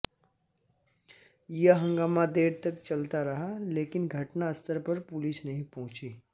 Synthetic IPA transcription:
jəɦɐ̃ŋɡaːmad̪eːɾt̪ɐkt͡ʃɐlt̪aɾɐɦaleːkɪnɡʱɐʈnaɐst̪əɾpɐɾpʊlɪsnɐɦĩpɔ̃ɦʊ̃t͡ʃiː

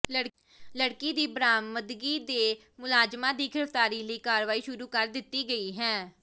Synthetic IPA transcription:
ləɽ | ləɽkiːd̪iːbɾaːməd̪ɡiːd̪eː | mʊlaːd͡ʒmãːd̪iːɡɪɾəft̪aːɾiːləiːkaːɾʋaːiːʃʊɾuːkəɾd̪ɪt̪ːiːɡəiːɦɛː

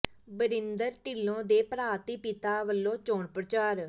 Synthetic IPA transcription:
bəɾɪnd̪əɾʈɪlːõːd̪eːpəɾaːt̪iːpɪt̪aːʋəlːõːt͡ʃoːɳpɾət͡ʃaːɾ

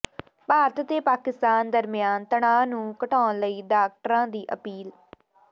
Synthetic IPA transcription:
paːɾət̪t̪eːpaːkɪst̪aːnd̪əɾmɪjaːnt̪əɳãːnũːkəʈaːnləiːɖaːk̚ʈəɾãːd̪iːʔə̰piːl

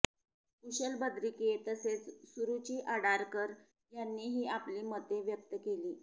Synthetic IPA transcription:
kuɕəlbəd̪ɾiket̪əset͡ssuɾut͡ɕiːʔaɽaɾkəɾ | janːiːɦiːapliːmət̪eʋjək̚t̪əkeliː

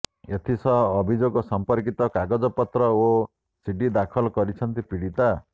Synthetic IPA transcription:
et̪ʰisʌɦːbʱid͡zoɡosʌmpʌrkit̪ɔkaɡɔd͡zʌpʌt̪rʌo | siɖid̪akʰʌlkʌɾit͡sʰʌnt̪ipiɽit̪a

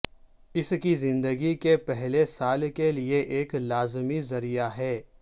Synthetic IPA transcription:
ɪskizɪ̃nd̪əɡikepɛɦlesaːlkelieʔeːklaːzmizɐɾijaɦɛː

